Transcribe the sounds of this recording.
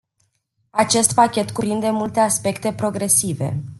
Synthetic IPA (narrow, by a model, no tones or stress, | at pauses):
at͡ʃe̞st̪pakʲe̞t̪kupɾind̪e̞mult̪e̞aspe̞kt̪e̞pɾo̞ɡɾe̞sive̞̰